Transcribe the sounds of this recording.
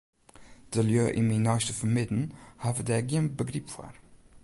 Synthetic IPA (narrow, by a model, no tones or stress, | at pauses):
d̪̥əljøːʔiminɑstəfəmɪd̪n̩havəd̪ɛɡinbəɡɾipfɔ̰ɾ